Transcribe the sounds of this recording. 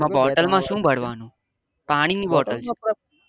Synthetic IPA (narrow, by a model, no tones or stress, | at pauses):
ãbɔːʈəlmãʃũːbʱəɽ̤ʋaːnũː | paːɽ̃ɪ̃ŋɡbɔːʈəl